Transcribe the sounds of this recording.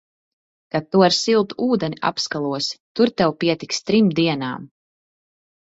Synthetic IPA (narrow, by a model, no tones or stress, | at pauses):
kat̪̚ːuaɾsilˠt̪uuːd̪ɛnʲiʔa̰pskalˠuɔst̪uɾt̪ɛwpiɛt̪ikst̪ɾimd̪iɛnaːm